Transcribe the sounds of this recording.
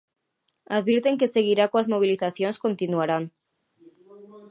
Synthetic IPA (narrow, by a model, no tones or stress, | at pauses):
aðβiɾt̪e̞ŋke̞se̞ɣ̞iɾakoazmo̞β̞iliθaθjonsko̞nt̪inuaɾan